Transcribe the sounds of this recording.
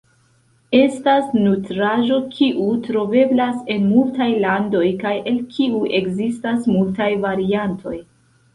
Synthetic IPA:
e̞stasnutɾaʒo̞kʰiʔutɾo̞ve̞blase̞nmultajlando̞jkajʔe̞lkʰiuʔe̞kzistasmultajvaɾiantʰo̞j

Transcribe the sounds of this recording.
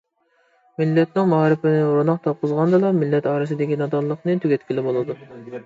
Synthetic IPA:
mɪlːɛt̪̚nɪŋmɑɾɪpɪnɪuɾunɑq̚t̪ʰɑp̚qʊzʁɑnd̪ɨlˠɑmɪlːɛt̪ɑːɾɨsɨd̪ɪkʲinɑd̪ɑlˠːəqnɨt̪ʰyɡʲɛt̪ʲkʲilɪbolˠɨd̪u

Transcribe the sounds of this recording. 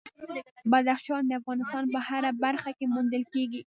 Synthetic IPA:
bad̪axʃɑnd̪əafɣɑnɪst̪ɑnpəhaɾabaɾxakemund̪əlkeɡi

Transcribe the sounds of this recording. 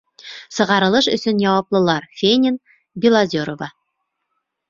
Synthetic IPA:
sɤ̆ʁɑɾɤ̆lˠɤʃɵ̰̆sɵnjɑwɑplˠɤ̆lˠɑɾfʲenʲɪn | bʲɪlˠazʲoɾovɑ

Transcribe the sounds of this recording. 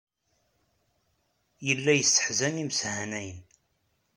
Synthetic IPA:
jəlːæjəsːə̥ħzænimshænæjən

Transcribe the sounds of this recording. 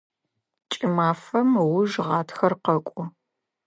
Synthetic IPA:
t͡ʃʼɪmaːfɐmwʊʒʁɑːtʰxɐrqɐkʷʼʊ

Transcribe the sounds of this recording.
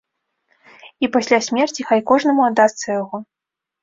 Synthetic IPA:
ipasʲlʲasʲmʲɛrt͡sʲixajkɔʐnɐmuad̪ːast̪sɐjaɣɔ

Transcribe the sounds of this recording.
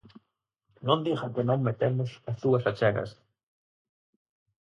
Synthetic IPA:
nond̪ixakenomːet̪emosaθuasat͡ʃaɣa̰s

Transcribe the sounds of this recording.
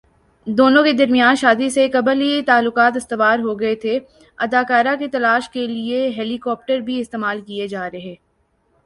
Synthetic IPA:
d̪oːnõked̪ɐɾmijaːnʃaːd̪isekɐbəlit̪aːlːʊkaːt̪ɪst̪ɪʋaːɾɦoɡɐet̪ʰe | ɐd̪aːkaːɾaket̪ɐlaːʃkelieɦɛːlikɔːp̚ʈəɾbʱiɪst̪eːmaːlkied͡ʒaːɾeɦɛ̃ː

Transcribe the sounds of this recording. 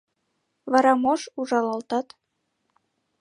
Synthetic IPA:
βɑɾɑmoʃuʒɑlɑlt̪ɑt̪

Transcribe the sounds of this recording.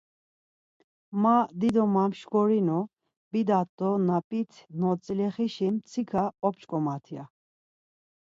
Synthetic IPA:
mad̪id̪ɔmamʃkɔɾinɔ | b̥id̪at̪ʼːɔnapʼit̪ʰnɔt͡sʼilɛχiʃimt͡sʰikʰaɔpt͡ʃkʼɔmat̪ʰia

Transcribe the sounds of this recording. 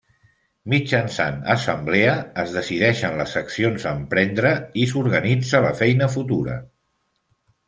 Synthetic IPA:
mid͡ʒənsa̰nə̰səmbleəːzðəsiðɛʃənləsəksionzəmpɾɛnd̪ɾəisuɾɣənid͡zələfɛjnəfut̪uɾə̰

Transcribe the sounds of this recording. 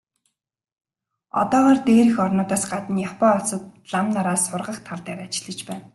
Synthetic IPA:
ɔ̰t̪ɔːʁɔːrt̪eːɾɘ̆xɔrnʊːt̪aːsɢat̪ə̆njaχpɔːɔsɞ̆t̪̚ɮamnaɾaːsːʊrʁə̆χt̪ʰaɮt̪æːɾat͡ɕɪ̆ɮə̆t͡ɕpæːn

